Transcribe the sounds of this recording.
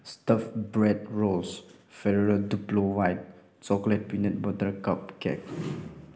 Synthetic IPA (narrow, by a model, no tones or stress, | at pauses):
stafbɹɛt̚ɹolsfɛɹəɹəduplowajt̚ | sɔklɛt̚pinɛt̚bɔtəkap̚kɛ̰k̚